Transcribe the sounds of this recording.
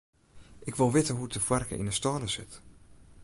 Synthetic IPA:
ʔɪkʋɪlˠʋɪtəɦuətəfwɛrkə̰ʔḭnəstɔːləsɪ̰t

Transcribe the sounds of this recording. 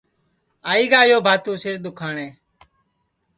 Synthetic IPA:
aːiːɡaːjoːbʱaːt̪ũːsɪɾd̪ʊkʰaːɳeː

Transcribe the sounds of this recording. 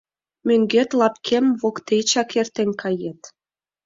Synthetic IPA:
møŋɡet̪lɑp̚kʰemβokt̪et͡ɕɑkert̪enʲkʰɑjet̪

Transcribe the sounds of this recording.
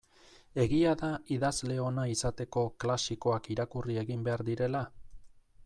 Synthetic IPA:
e̞ɣiaðaiðazle̞o̞naisat̪e̞ko̞klasiko̞akiɾakurie̞ɣimbe̞aɾðiɾe̞la

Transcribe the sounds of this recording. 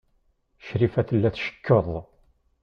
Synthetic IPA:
ʃɾifæθəlːæθʃə̥kːəðˤ

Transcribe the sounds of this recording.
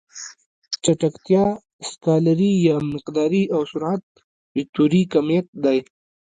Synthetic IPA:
t͡ʃaʈakt̪jɑ | skaːlaɾijamɪqd̪ɑɾiʔawsʊɾʕat̪̚ | bɪk̚t̪oɾikamijat̪̚d̪aj

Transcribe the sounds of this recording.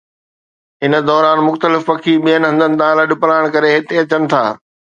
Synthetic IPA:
ɦɪnə̆d̪ɔːɾaːnmʊxt̪əlɪfpɐkʰiɓijənɪ̆ɦɐ̃nd̪ənɪ̆t̪ãləɗɪ̆pɾaːɪɽ̃kɐɾeɦɪt̪eɐt͡ɕənɪ̆t̪ʰa̰ː

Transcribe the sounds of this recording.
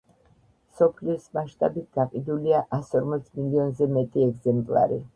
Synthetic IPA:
sɔpʰliɔsmaʃt̪ʼabit̪̚ʰɡ̪aqʼid̪uliaʔasɔɾmɔt̪sʰmiliɔnzɛmɛt̪ʼiɛɡzɛmpʼlˠa̰ɾḭ

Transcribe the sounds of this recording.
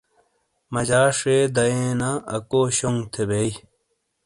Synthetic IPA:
mɐd͡ʑaːʂed̪ɐẽːnaɐkoːɕoŋɡt̪ʰebei

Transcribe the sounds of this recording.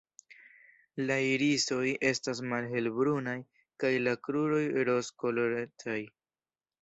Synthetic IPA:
laiɾiso̞je̞stas̬malɦe̞lbɾunaj | kajlakɾuɾo̞jɾo̞skoloɾetʰaj

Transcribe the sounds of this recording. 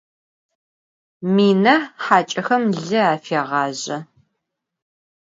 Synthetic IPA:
miːnɐħaːt͡ʃʼɐxɐmɮɨaːfeːʁɑːʑɐ

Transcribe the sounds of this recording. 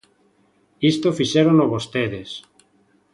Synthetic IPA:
ist̪ofiʃeɾonoβost̪eðes

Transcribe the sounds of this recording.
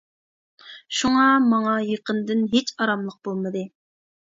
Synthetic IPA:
ʃuŋɑmɑŋɑjeqənd̪ɪnɦet͡ʃɑɾɑmlˠəq̚b̥olˠmɨd̪ɨ

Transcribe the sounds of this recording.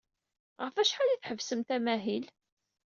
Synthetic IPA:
ʁəfæʃħaliθħəvsəmt̪æmæɦil

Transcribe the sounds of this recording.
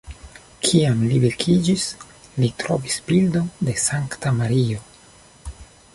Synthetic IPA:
kʰiamlibeɾkʰid͡ʒis | litɾovisbildonde̞saŋktamaɾio̞

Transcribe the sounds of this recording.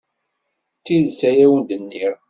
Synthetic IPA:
t͡sːiðsæjæwənd̪ənːiɾ

